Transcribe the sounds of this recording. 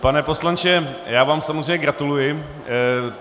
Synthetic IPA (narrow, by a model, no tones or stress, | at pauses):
panɛpo̞slant͡ʃɛjaːvaːmsamozr̝eɛjɲɛɡɾat̪ulujɪ